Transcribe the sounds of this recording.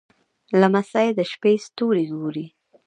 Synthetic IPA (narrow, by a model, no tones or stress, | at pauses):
lamasajed̪əʃpest̪oɾiɡoɾi